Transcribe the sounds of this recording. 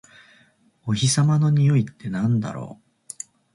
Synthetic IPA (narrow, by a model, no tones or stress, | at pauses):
o̞çisamano̞ɲ̟ijo̞it̪ːe̞nãnd̪a̰ɾo̞̰ː